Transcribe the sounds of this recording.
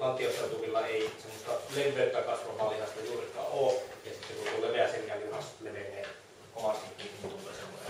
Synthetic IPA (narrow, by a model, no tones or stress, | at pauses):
lɑnt̪ioseut̪umilːɑeˑisemːost̪ɑleʋpːˑeːt̪ːˑækɑsʋɑmɑːlihɑst̪ɑjuːrikːˑɑ̰ːoːjɑsit̪ːekunt̪ulːeːʋeæseŋkæiŋkɑnsneʋenːˑeː | komɑst̪ikːinit̪ulːˑḛːseʋːo̰se